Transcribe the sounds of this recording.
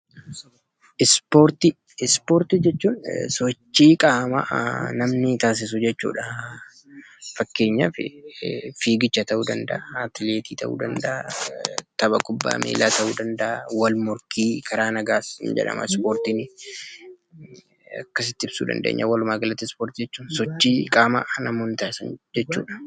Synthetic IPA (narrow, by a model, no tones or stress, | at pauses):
ʔɪspoːɾt̪i | spoːɾt̪ɪd͡ʒɛt͡ʃːuːnsɔt͡ʃːiːkʼaːmɐnɐmnɪt̪aːs̬ɪs̬ʊd͡ʒɛt͡ʃːṵːᶑɐ | fɐkːe̞ːɲːɐfɪ̰ | fiːɡɪt͡ʃːɐt̪ɐʔuːd̪ɐnd̪ɐʔɐt̪ɪleːt̪iːt̪ʰɐʔṵːd̪ɐnd̪ɐʔɐ | t̪ɐbɐkʼʊbːa̰ːmḛːlaːt̪ɐʔuːd̪ɐnd̪ɐʔɐwɐlmʊɾkʰiːkʰɐɾaːnɐɡaːsɪnd͡ʒɛ̰ᶑɐ̰mɐ̰spoːɾt̪iːnɪ | ɐ̰kːɐsɪt̪ːɪɪbsṵːd̪ɐ̰nd̪ḛːɲːɐwɐlʊmaːɡɐlɐt̪ːɪspoːɾt̪id͡ʒɛt͡ʃːuːnsɔt͡ʃːiːkʼaːmaʔnɐmonɪt̪aːɪsɐnd͡ʒɛt͡ʃːṵːᶑɐ̥